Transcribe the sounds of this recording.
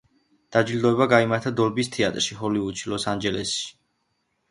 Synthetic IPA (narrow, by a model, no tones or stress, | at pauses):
d̪̥ad͡ʒild̪ɔɛbaɡaimaɾt̪ʰad̪ɔlbist̪ʰiat̪ʼɾʃiɦɔlivut͡ʃʰilɔsand͡ʒɛlɛsʃi̥